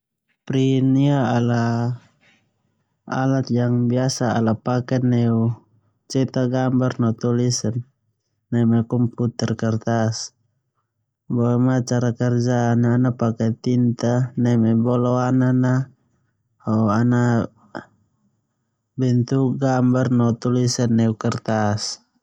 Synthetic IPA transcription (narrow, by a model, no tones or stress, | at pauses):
pɾiniaːla | a̰lat̪̚jaŋbiasa̰ːlapakɛnɛu | t͡ʃɛt̪aɡambarnat̪ulisanː | ɛmɛkɔmput̪ɛrkart̪as | bɔɛmat͡ʃaɾakɛrd͡ʒanaːnapakɛt̪int̪anɛmɛbɔlɔanana | haana | bɛnt̪uɡambarnɔt̪ulisanːɛukɛrt̪as